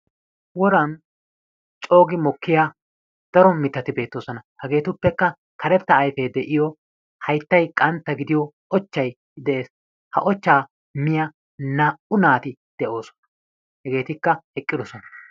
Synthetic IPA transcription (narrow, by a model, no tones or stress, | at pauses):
wɔɾɐn | t͡ʃʼo̞ːɡɪmɔkːɪja | d̪̥ɐɾɔmɪt̪ːɐt̪ɪbe̞ːt̪ːoːsɔnɐhɛɡe̞ːt̪ʊpːɛkːɐ | kʰɐɾɛt̪ːɐːjfeːd̪ɛʔɪjɔ | hɐjt̪ːɐjkʼɐnt̪ːɐɡɪd̪ɪjɔ | ɔt͡ʃːɐj | d̪ɛʔe̞ːs | hɐ̰ʔɔt͡ʃːaː | mɪjɐ | naːʔʊnaːt̪ɪd̪̥ɛʔo̞ːsɔ̥nɐ̥ | hɛɡe̞ːt̪ɪkːɐɛkʼːɪd̪ɔsɔnɐ